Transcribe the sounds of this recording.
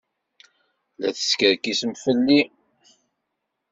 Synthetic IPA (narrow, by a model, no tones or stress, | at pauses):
læ̰θə̥skəɾkisəmfəlːi